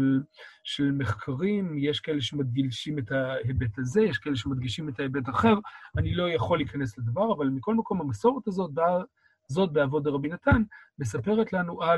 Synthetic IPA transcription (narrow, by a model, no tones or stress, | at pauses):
lʃelmeχkʰaʁimjeʃkae̞leʃemad̪̚ɡilʃimetahebet̪aze̞jeʃkaʔeleʃ̬emad̪ɡiʃime̞taebetaχe̞ʁanilo̞jaχo̞liːkanesled̪avaʁavalmiko̞lmako̞mhamaso̞ʁet̪azot̚ba | zo̞t̚beavo̞d̪eʁabinat̪anme̞sape̞ʁetlanuʔa